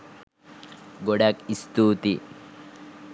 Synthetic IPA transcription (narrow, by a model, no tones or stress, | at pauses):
ɡoɽakist̪uːt̪i